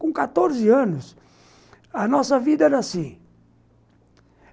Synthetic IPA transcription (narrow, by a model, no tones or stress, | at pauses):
kõkat̪oɾzɪɐ̃nʊs | ɐnɔsɐvid̪ɐɛd̪asi